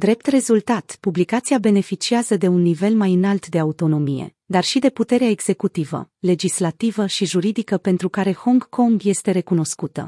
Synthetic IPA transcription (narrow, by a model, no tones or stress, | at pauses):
d̪ɾe̞p̚t̪re̞zult̪at̪publikat̪siabe̞ne̞fit͡ʃiazəd̪e̞unːive̞lmajɨnalt̪d̪e̞aut̪o̞no̞mije̞̰ | d̪arʃid̪e̞put̪e̞ɾeaeɡz̥e̞kut̪ivə̰ | le̞d͡ʒislat̪ivəʃiʒuɾid̪ikəpe̞nt̪ɾukaɾe̞ho̞ŋɡkʰo̞ŋɡje̞st̪e̞ɾe̞kuno̞skut̪ə̰